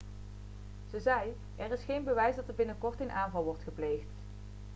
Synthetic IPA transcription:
z̥əzɛj | ʔɛrɪsχejnbəʋɛjsdɑtɛɹbɪnəkɔɹtenʔaːnvɑlˠʋɔɹtχəplejxt

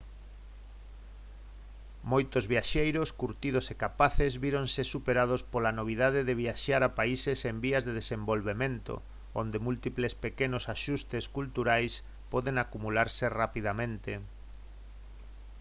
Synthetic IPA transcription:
mojt̪ozβiaʃejɾoskuɾt̪ið̞osekapaθezβiɾoŋsesupeɾað̞ospolanoβ̞ið̞aðeðeβ̞iaʃaɾapaisesembiɐzðeð̞esembolβemẽnt̪o̰ | õ̰nd̪emult̪iplespekenosaʃust̪eskult̪uɾajs | pɔðeŋakumulaɾserapiðamẽnt̪e

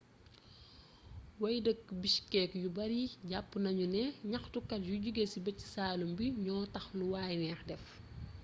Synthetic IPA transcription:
wɐjdək̚ːbiʃkɛːkjubɐɾiɟapːnɐɲunɛɲɐxtukːɐtjuɟuɡesibɐcːi̥saːlumbiɲɔːtɐxluwaːjnɛːxdɛf

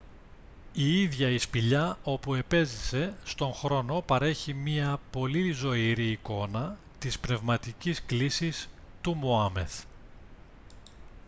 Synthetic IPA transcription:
iiðʝɐispiʎɐo̞pue̞pe̞zise̞st̪o̞ŋxɾo̞no̞pɐɾe̞çimɲiɐpo̞lizo̞iɾiːko̞nɐ | t̪ispne̞vmɐt̪icisklisis | t̪umoɐme̞̰θ

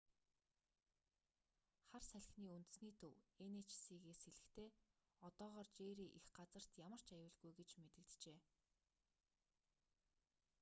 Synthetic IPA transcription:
χarsæɮ̆ʲxʲniːunt̪ɘ̥̆sniːt̪ʰɵwenet͡ɕsiːɣeːseɮɘ̆xt̪ʰeː | ɔt̪ɔːʁɔːrt͡ɕeːɾiːʔixɢat͡sə̆r̥t̪jamə̆r̥t͡ɕajʊːɮɣujɡet͡ɕmet̪ɘ̆kt̪t͡ɕeː

